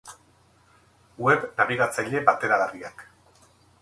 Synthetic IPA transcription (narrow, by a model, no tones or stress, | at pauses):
we̞βnaβiɣat͡sajʎe̞bat̪e̞ɾaɣariak